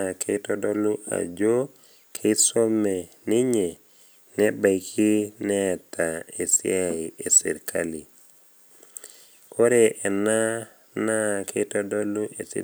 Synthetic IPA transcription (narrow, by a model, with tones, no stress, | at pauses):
kʰe˦tɔ˦dɔ˦lu˦a̰˨d͡ʒo˦ | kʰe˦so˦me˨nɪ˦ɲe˨ | nɛ˦ba˨ikʰi˦nɛ˦˨tʰa˨e˨sɪ̰˦a˨iʔe˨sɪ̰˨ɾkʰa˦li˨ | kʰo˦ɾe˦ʔɛ˨na˦ | na˦ke˦tɔ˦dɔ˦lu˦ʔḛ˨sḭ˨